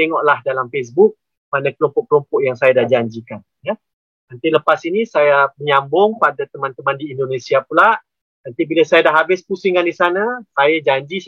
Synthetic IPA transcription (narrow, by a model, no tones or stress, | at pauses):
t̪eŋɔʔlahdalamfes̬buk̚ | manakəlɔmpɔʔ̚kəlɔmpɔʔjaŋsajadahd͡ʒaɲd͡ʒikan | ja | nənt̪iləpasinisajapəɲambʊŋpadat̪əmãnt̪əmandiːndonesiapulaʔ | nant̪ibilasajadaɦabɪspusiŋandisanasajad͡ʒaɲd͡ʒi